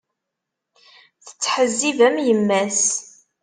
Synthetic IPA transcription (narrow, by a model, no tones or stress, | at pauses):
θə̥t͡sːħəzːivæmjəmːæs